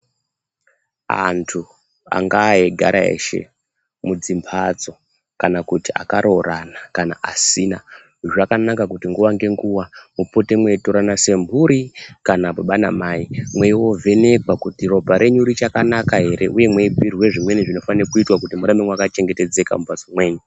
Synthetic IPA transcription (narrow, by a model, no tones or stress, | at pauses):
a̰ntʰu | a̰ŋɡaːeɡʱa̰ɾa̰ḛʃe̞̰ | mud͡zimpʰad͡zo̞ | kanakutia̰kaɾʔo̞ranakana̰ʔasiːna | ʐakanakakutiŋɡuwaŋɡe̞ŋɡuwamupote̞mwe̞to̞ɾanase̞mbʱuɾikanapuɓana̰maimwe̞iwo̞vʱe̞ne̞ɡwakutiro̞bʱaɾe̞ɲuɾit͡ʃakanakaɦe̞ɾe̞ʔuje̞mweipirwe̞ʐimwe̞niʐino̞fanirokuitwakutimuɾameŋwakat͡ʃe̞ŋɡe̞te̞d͡ze̞ka̰mupad͡zomwe̞ːɲu